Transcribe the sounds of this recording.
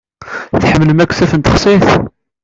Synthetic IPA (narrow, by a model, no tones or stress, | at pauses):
θħəmːləmækʷːθæθənt̪əχsˤiθ